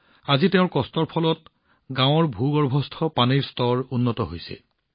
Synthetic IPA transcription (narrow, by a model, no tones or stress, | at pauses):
azitɛʊ̃ɹkɔstɔɹpʰɔlɔt | ɡãw̃ɔɹbʱuɡɔɹbʱɔstʰɔpaniɹstɔɹunːɔtɔɦojsɛ̰